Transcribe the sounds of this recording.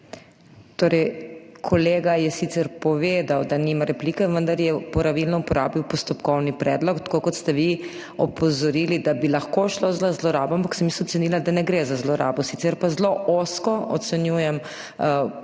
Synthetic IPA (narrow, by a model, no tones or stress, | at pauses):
t̪oːɾɛjkʰɔleːɡajɛsit̪sɛɾpɔʋed̪awd̪animaɾɛpliːkɛʋənd̪aɾjɛpɔɾaʋilnɔupɔɾa̰ːbiwpɔst̪ɔpkɔwnipɾɛːd̪lɔkt̪kokɔt̪st̪ɛʋi | ɔpɔzɔɾilid̪abilɐxkoʃlozlazlɔɾaːbɔampaksɛmisɔt̪sɛnilad̪anɛɡɾezazlɔɾa̰ːbɔsit̪sɛɾpazloʔoskɔɔ̰t̪sɛnjujɛm